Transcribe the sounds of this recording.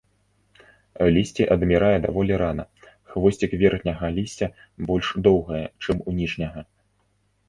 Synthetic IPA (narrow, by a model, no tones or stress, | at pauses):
lʲisʲt͡sʲiʔɐd̪mʲiɾajɛd̪avɔlʲiɾanɐ | xvɔsʲt͡sʲikvʲɛrxnʲɐɣɐlʲisʲt͡sʲɐ | bɔlʲʂd̪ɔwɣɐjɛt͡ʂɨmunʲiʂnʲɐɣɐ